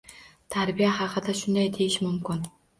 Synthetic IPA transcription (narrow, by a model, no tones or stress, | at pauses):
t̪ʰaɾbijahɑqʰɨd̪aʃʊnd̪ajd̪ejɪʃmʊmkʰʲɪn